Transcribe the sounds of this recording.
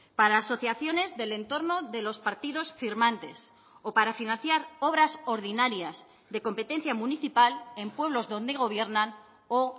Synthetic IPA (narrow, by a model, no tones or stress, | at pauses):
paɾaːso̞θjaθjo̞ne̞zðe̞le̞nt̪o̞ɾno̞ðe̞lo̞spaɾt̪iðo̞sfiɾmãnt̪e̞s | opaɾafinãnθjaɾo̞βɾaso̞ɾðinaɾjaz | ðe̞ko̞mpe̞t̪e̞n̟θjamũniθipale̞mpwe̞β̞lo̞zðo̞nd̪eɣ̞o̞β̞je̞ɾnan | o